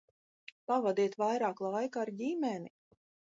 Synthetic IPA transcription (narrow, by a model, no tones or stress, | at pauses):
pavad̪iɛt̪vajɾaːklˠajkaːɾɟimɛni